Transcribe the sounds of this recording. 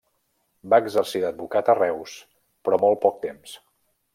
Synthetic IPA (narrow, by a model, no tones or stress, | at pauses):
baəɡzərsiðəd̪̚bukat̪ərɛws | pɾɔmolˠpɔk̚t̪ems